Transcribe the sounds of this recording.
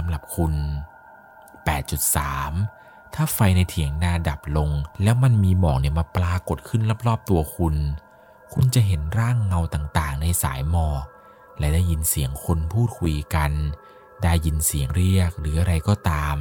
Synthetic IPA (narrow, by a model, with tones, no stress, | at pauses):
sa˨˦mɾa˨˩p̚kʰu˧n | pɛː˨˩t̪̚t͡ɕu˨˩t̪̚saː˩˦m | t̪ʰaː˥˩fa˧jna˧jt̪ʰi˨˩˦əŋnaː˧da˨˩p̚lo˧ŋlɛː˦˥wma˧nmiː˧mɔː˨˩k̚ni˧˩əmaː˧plaː˧ko˨˩t̪̚kʰɯ˥˩nla˦˥˩p̚lɔː˥˩p̚t̪u˧ɐkʰu˧n | kʰu˧nt͡ɕa˨˩ʔɦe˩˦nɾaː˥˩ŋːa˧wt̪aː˨˩ŋt̪aː˨˩ŋna˧jsa̰ː˩˦jmɔː˧˩ | lɛː˦˥daː˥˩jːi˧nsi˩˦əŋkʰo˧npʰuː˥˩t̪̚kʰu˧jka˧n | daː˧˩jːi˧nsi˨˩˦əŋɾi˥˩ək̚ɾɯː˩˦ʔa˧ɾa˧jkɔː˧˩t̪aː˧m